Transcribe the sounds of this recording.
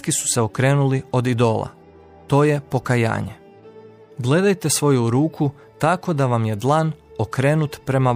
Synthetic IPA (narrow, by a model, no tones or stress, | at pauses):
kisu̥seo̞kɾe̞ːnulio̞d̪id̪o̞ːlˠa̰ | t̪o̞ːje̞po̞kaja̰ːɲe̞ | ɡle̞d̪ajt̪e̞sʋo̞juɾuːkʰu | t̪ako̞d̪aʋamje̞d̪lˠanokɾe̞ːnut̪pɾe̞ma